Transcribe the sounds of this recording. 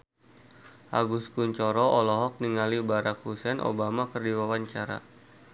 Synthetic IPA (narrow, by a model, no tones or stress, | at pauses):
ʔa̰ɡuskuɲt͡ʃɔɾɔʔɔlɔɦɔk̚niŋalibaɾakhusɛnʔo̰bamakərdiwawaɲt͡ʃaɾa̰